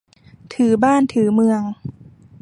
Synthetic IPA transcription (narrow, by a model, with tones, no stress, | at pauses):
t̪ʰɯː˩˦baː˥˩nt̪ʰɯː˩˦mɯ˧əŋ